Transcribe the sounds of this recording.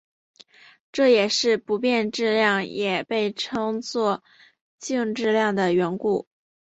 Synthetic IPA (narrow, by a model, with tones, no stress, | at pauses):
ʈ͡ʂɤ˥˩jɛ˨˩ʂɻ̩˥˩pu˧˥pjɛ˥˧nʈ͡ʂɻ̩˥˧ljɑ˥˩ŋjɛ˨˩pe˥˩ɪʈ͡ʂʰɤ˥ŋt͡swɔ˥˧ | t͡ɕi˥˧ŋʈ͡ʂɻ̩˥˧ljɑ˥˩ŋd̪ə˩ɥɛ˧˥nku˥˩